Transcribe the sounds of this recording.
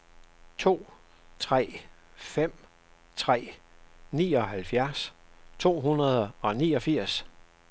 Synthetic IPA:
t͡sʰo̝̰ː | t͡sʰʁɛ̰ːfem̰ | t͡sʰʁɛ̰ːnḭːɒ̽ɦælfjæɐst͡sʰo̝̰ːɦunɐð̞ˠɒ̽niːɒ̽fiɐ̰s

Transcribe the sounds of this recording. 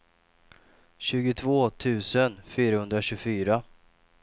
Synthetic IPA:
ɕʉ̟ːɡʊt̪ʰvoːt̪ʰʉ̟ːsənfyːɾahɵnd̪ɾaɕɵfyːɾa

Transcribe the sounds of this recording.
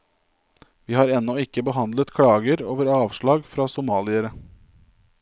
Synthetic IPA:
ʋiːhɑːɾɛnːɔɪkːəbəɦɑnd̪lət̪kʰɽɑːɡəɾoːʋəɾɑːʋʃɭɑːɡfɾɑːsʊmɑːlɪəɾə

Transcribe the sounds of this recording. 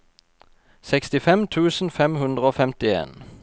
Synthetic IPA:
sɛkst̪ɪfɛmt̪ʰʉːsn̩fɛmhʉnd̪ʁəoːfɛmt̪ɪḛːn

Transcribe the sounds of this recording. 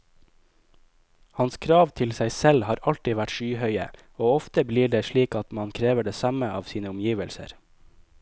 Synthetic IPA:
hɑnskʰɾɑːʋt̪ʰɪlsæɪsɛlhɑːɾɑlt̪ɪʋæʈʃyːhœʏə̰ | oːɔft̪əbliːɖeːʃɭiːkɑt̪mɑnkʰɾeːʋəɖeːsɑməɑːʋsiːnəʊmjiːʋəlsə̰ɾ

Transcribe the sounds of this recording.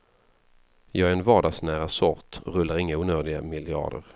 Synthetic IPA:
jɑːɡæɾɛnvɑːɖɑːɡsnæːɾasɔɾt̪ɾɵlːaɾɪŋːauːnœːɖɪɡamɪljɑ̰ːɖə̰ɾ

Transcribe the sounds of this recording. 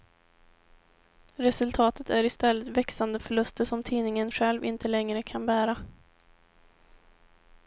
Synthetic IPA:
ɾɛsɵlt̪ʰɑːt̪ət̪æɾɪst̪ɛlːət̪vɛksand̪əfœɭɵst̪əʂɔmt̪ʰiːnɪŋənɧɛlvɪnt̪əlɛŋɾəkʰanbæːɾa

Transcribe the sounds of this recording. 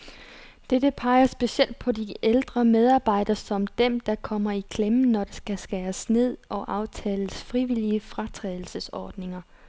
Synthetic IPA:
d̥ed̥əpʰɑ̈ɪɐsb̥e̝ɕel̰d̥̚pʰɒ̽diʔeld̥ʁɐmeð̞ˠɑ̈ːb̥ɑ̈ɪ̰d̥ɐsɒ̽md̥emd̥ɑ̈kʰɒ̽m̰ɐikʰlemənɒd̥e̝sɡ̥æsɡ̥æːsne̝ð̞̰ˠɒ̽ʔɑ̈ʊt͡sʰɛːləsfʁiʋil̰iəfʁɑ̈t͡sʰʁɛːðˠl̩səsɒːd̥ne̝ŋɐ

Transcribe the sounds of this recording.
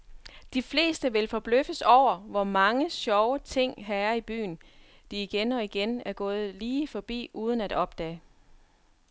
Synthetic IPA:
d̥ifle̝̰ːsd̥əʋe̝lfɒ̽b̥løfəsɒʊ̰ɐʋɒmɑ̈ŋəsɒʊət͡sʰe̝ŋ̰ɦæɐib̥y̰ːn | d̥iːɡ̥enɒ̽iɡ̥enæɐɡ̥ɔ̽ːð̞̩ˠliːfɒ̽b̥ḭːʔuːð̞ˠənæd̥ɒ̽b̥d̥ɛ̰ː

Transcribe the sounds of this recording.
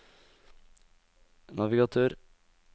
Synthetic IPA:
nɑʋɪɡɑt̪ʰøːɾ

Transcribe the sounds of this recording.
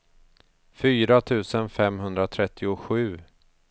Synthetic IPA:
fyːɾat̪ʰʉ̟ːsənfɛmɦɵnd̪ɾat̪ʰɾɛt̪ʰːɪʊɧʉ̟ː

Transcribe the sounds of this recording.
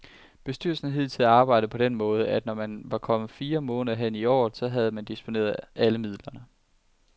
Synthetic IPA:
b̥e̝sd̥y̰ɐlsn̩ɦið̰ˠt͡sʰelæɑ̈ːb̥ɑ̈ɪ̰d̥əpʰɒ̽ɾ̥enmɔ̽ːð̞ˠəæd̥nɒmænʋɑ̈kʰɒ̽mð̩ˠfiːɐmɔ̽ːnəðɐɦen̰iɒ̰ːð̩ˠsɒ̽ɦæð̞ˠəmænd̥isb̥o̝ne̝̰ːɐðˠʔæləmið̞̰ˠlɐnə

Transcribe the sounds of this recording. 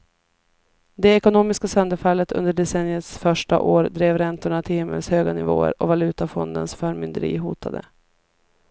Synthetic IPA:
d̪ɛɛkʊnoːmɪskasœnd̪əɾfalːət̪ʰɵ̰nd̪əɖɛsɛnːjət̪sfœʂʈa̰ʔoːɾd̪ɾeːvɾɛnt̪ʊɳat̪ʰɪlhɪmːə̰lshøːɡanɪvo̰ːə̰ɾɔvalʉ̟ːt̪afɔnd̪ənsfœːɾmʏnd̪əɾḭːɦuːt̪ʰad̪ə̰

